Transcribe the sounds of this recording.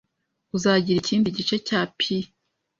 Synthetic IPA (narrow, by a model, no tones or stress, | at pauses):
uzaɟiɾiciːndiɟit͡ʃe̞caːpʰi